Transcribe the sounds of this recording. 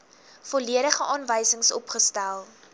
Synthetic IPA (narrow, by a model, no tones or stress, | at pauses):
fɔliəɾəχəʔɑːnvəjsəŋsɔ̰pχəstælˠ